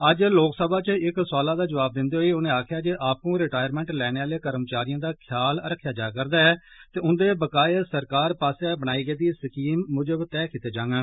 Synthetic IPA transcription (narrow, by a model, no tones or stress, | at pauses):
əd͡ʒloːksəbaːt͡ʃəɪksaːlaːd̪aːd͡ʒəʋaːb̚d̪ɪnd̪eːɦoeːʊnẽːaːkʰjaːd͡ʒeːʔaːpũːɾɪʈaːjəɾmɛ̃ːɳʈlɛːneːaːleːkəɾmt͡ʃaːɾijãːd̪aːkʰjaːləɾəkʰːjaːd͡ʒaːkəɾd̪aːɛːt̪eːʊnd̪eːbəkaːesəɾkaːɾpaːsaːbənaːiːɡəeːd̪iːsəkiːmːʊd͡ʒəbt̪ɛːkɪt̪eːd͡ʒãːŋɡeː